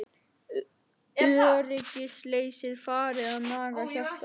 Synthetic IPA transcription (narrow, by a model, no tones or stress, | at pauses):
rɪcɪsleːjsɪðfaːɾɪaðmaːɣaçaft̪